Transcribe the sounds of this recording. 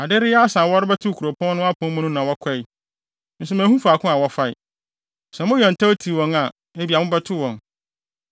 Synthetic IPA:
a˨dɪ˦ɾɪ˦a˦sã˨wɔ˦ɾɪ˦bɛ˦tʰʊ˦˨kʰu˨ɾo˨pʰɔ̃˦n˦nʊ̃˦a˦pʰʊ̃˦mʊ̃˦nʊ̃˦nã˨wɔ˦kʰɛ˦i˨ | n̩˦s̬ʊ˦mæ̃ː˨˦hũ˦fa˨kʰʊ̃˦a˨wɔ˦fa˦ɪ̰˨ | sɛ˨mʊ̃˦jɔ̃˨n̩˨tʰa˦wo˦tʰi˨wɔ̃˨ŋa˨ | e˦bi˨a˨mʊ̃˦bɛ˦tʰʊ˦wɔ̃˨n

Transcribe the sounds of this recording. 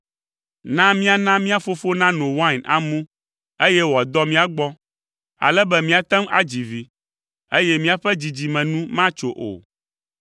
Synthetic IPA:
nã˦mĩ˦a˨nã˦mĩ˦a˨fo˦fo˦nã˦nõ˨wã˦na̰˨mũ˦ | e˦jɛ˦wɔ˨a˨d̪ɔ˦mĩ˦a˨ɡ͡bɔ˦ | a̰˨lɛ˦bɛ˦mĩ˦a˨t̪ɛ˦ma̰˦d͡ʑi˨vi˨ | e˦jɛ˦mĩ˦a˨ɸɛ˦d͡ʑi˨d͡ʑi˨mɛ̃˨nũ˦mã˦t͡ʃo˨ʔo̰˨

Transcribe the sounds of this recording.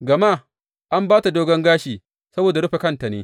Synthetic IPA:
ɡɐ˨maː˦˨ | ʔa˦mbaː˦ta˨doː˦ɡɐ˦ŋɡaː˦ʃiː˨ | sɐ˦boː˨da˨ɽʊ˦ɸe˨kɐ˦nta˨nḛː˦

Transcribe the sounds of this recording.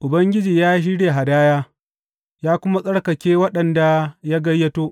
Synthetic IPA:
ʔʊ˨bɐ˦ŋɡʲɪ˦d͡ʒiː˨jaː˦ʃi˦ɽeː˨ɦa˨daː˦jaː˦ | jaː˦kʷʊ˦ma˦sʼɐ˦ɽkɐ˨kʲeː˦wɐ˦ɗɐ˨nda˨ja˦ɡɐ˦jːɐ˦toː˦ʔ

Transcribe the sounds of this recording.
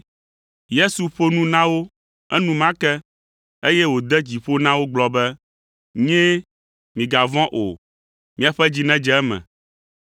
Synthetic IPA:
je˦su˨ɸo˦nũ˦nã˦wo˦ | ɛ˦nũ˦mã˦kɛ˦ | e˦jɛ˦wo˨d̪ɛ˦d͡ʑi˨ɸo˦nã˦wo˦ɡ͡blɔ˨bɛ˦ | ɲɛ̃˦ | mĩ˨ɡa˨vɔ̃˦ʔo˨ | mĩ˦a˨ɸɛ˦d͡ʑi˦nɛ̃˦d͡ʒɛ˦ɛ˦mɛ̰̃˨

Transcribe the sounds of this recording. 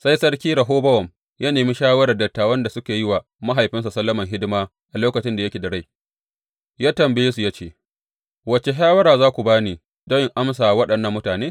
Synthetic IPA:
sa˦jsɐ˦ɽkʲiː˦ɾɐ˨ɦoː˦bɐ˦wɔ˨m | ja˦neː˨mi˦ʃaː˦wɐ˦ɾɐ˨rdɐ˨tːaː˨wɐ˦nda˨sʊ˦kʲeː˨jɪ˦waː˨ | ma˦ɦa˨jɸɪ˦ns̬a˨sɐ˦lːɐ˦mɐ˨ŋɦɪ˦dɪ˦maː˦ | ʔa˨loː˦kɐ˨t͡ʃɪ˦nda˨jɐ˦kʲeː˨dɐ˨ɽa˦j | jaː˦tɐ˨mbɪ˦jɪ˦s̬u˨jaː˦t͡ʃeː˦˨ | wɐ˨t͡ʃe˨ʃaː˦wɐ˦ɾaː˨zaː˦kʷu˨baː˦niː˨ | dɐ˦jɪ˨ŋʔa˦ms̬aː˨wɐ˦ɗɐ˨nːɐ˦mːʊ˦taː˨neː˦

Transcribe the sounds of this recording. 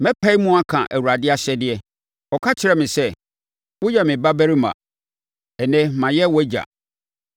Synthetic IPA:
mɛ̃˦pʰa˦i˦mũ˦a˦kʰã̰˨ʔæ˨wu˨ɾa˨dɪ˦a˦ɕɛ˦dɪ˨ɛ˦ | ɔ˨kʰa˦t͡ɕʰɪ˦ɾɛ˦mɪ̃˨sɛ˦ | wʊ˦jɛ˨mɪ̃˨ba˦bæ˦ɾi˦mã̰˨ | ɛ˨nɛ̃˦mã˨jɛ˦wɔ˦d͡ʑa̰˨

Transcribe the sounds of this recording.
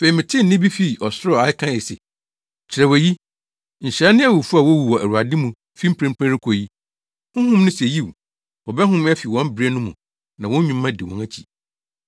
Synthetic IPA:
fe˨i˨mɪ̃˨tʰɪ˦n̩˨nɪ̃˦bi˦fi˦˨ʔɔ˨sɔ˦˨a˨˦ɪ˦kʰã˦jɛ˨sɛ̰˨ | t͡ɕʰɪ˨ɾɛ˨wɔ˨ji˦ | ɲ̩˨ɕɾɛ˦nɪ̃˦a˦˨wu˨fu˦a˨wɔ˦wu˨wɔ˨æ̰˨ɾu˨a˨dɪ̃˦mũ˨ | fi˦m̩˦pʰɾɪ̃˦mpʰæ̃˦ɾɪ˦kʰo˨ji˦ | hʊ̃˦ɦʊ̃˦mnʊ̃˦se˨ji˦˨w | ɔ˨bɛ˦ɦʊ̃˦mɛ˦fi˨wɔ̃˦m˦bɾɛ˦nʊ̃˦mũ˨ | nã˨wɔ̃˦ɲᶣũ˨mːã˦dɪ˨wɔ̃˨næ˦t͡ɕʰi̥̰˨

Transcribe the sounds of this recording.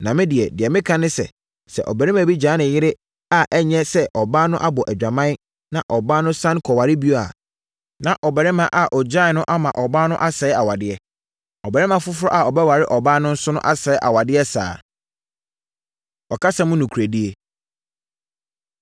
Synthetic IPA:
nã˨mɪ̃˦dɪ˨ɛ˨dɪ˨ɛ˨mɪ̃˦kʰã˦nɪ̃˦sɛ̰˨ | sɛ̰˨ʔɔ̰˨bɛ˨ɾɪ˦mã˨bi˦d͡ʑãː˨˦nɪ̃˨jɪ˦ɾɪ˦ | a˨ʔɛ˦ɲɛ̃˦sɛ˦ʔɔ˨baː˦nʊ̃˦ʔa˦bɔ˨ʔæ˨d͡ʑᶣa˨mã˦n˦ | nã˨ʔɔ˨baː˦nʊ̃˦sã˦nkʰɔ˨wa˨ɾɪ˦bi˦o˦a̰˨ | nã˨ʔɔ˨bɛ˨ɾɪ˦mã˨ʔa˨ʔɔ˨d͡ʑã˦˨nʊ̃˦ʔa˦mã˨ʔɔ˨baː˦nʊ̃˦ʔa˦sɛ˨˦ɪ˦a˨wa˨dɪ˦ɛ˦ | ɔ˨bɛ˨ɾɪ˦mã˨fʊ˦fʊ˦ɔ˦ʔa˨ɔ˨bɛ˦wa˨ɾɪ˦ʔɔ˨baː˦nʊ̃˦n̩˦sʊ˦nʊ̃˦ʔa˦sɛ˨˦ɪ˦ʔa˨wa˨dɪ˦ɛ˦sa̰ː˨ | ɔ˨kʰa˦sã˦mʊ̃˦nʊ̃˨kʰu˨ɾæ˨di˦e˦

